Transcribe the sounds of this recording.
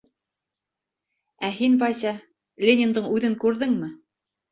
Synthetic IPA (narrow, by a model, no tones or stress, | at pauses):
æɦinvɑjsʲɑ | lʲenʲɪnd̪ɤɴʉðɘŋkʉɾðɘŋmɘ